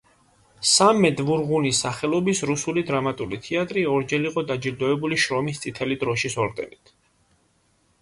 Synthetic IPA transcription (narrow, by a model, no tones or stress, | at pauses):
samːɛd̪vuɾʁunisaχɛlˠɔbisɾusulid̪ɾamat̪ʼulit̪ʰiat̪ʼɾiɔɾd͡ʒɛliqʼɔd̪ad͡ʒiɾd̪ɔɛbuliʃɾɔmist̪sʼit̪ʰɛlid̪ɾɔʃisɔɾd̪ɛ̰nit̪ʰ